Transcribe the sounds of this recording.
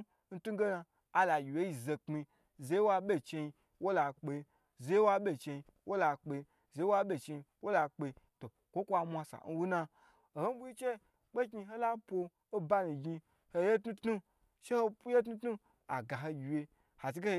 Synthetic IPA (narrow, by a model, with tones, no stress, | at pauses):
n̩˦tu˦ɡe˦na˧ | a˨la˨jʲi˨wje˦ji˧˨ze˧k͡pi˧ | ze˨˦jwa˧ɓʲe˦t͡ʃe˧i˧ | wo˦la˧k͡pe˧ | ze˦jwa˧ɓʲe˦t͡ʃe˧i˧ | wʔo˦la˧k͡pe˧ | ze˨˦wa˦ɓʲe˨t͡ʃe˧i˧wo˦la˧k͡pe˧to˨ | kʷo˦kʷa˧mʷa˧sa̰˨n̩˦wu˦na˧ | o˨ho˦bu˦ji˦t͡ʃe˦ | k͡pe˦ki˧ɦo˦la˦po˧ | o˦ba˦ni˨ɡi˧ | ho˧je˦tnu˦tnu˦ | ʃe˦ho˦je˦t̬nu˦tnu˦ | a̰˨ɡa˨ɦo˧ɡʲi˨je˧ | ha˨t͡ʃi˧ke˦h